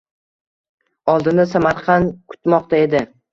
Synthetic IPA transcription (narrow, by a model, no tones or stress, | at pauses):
ɒlˠd̪ɪnasamaɾqʰɑnkʰʊ̥t̪mɒqt̪ʰae̞d̪ɪ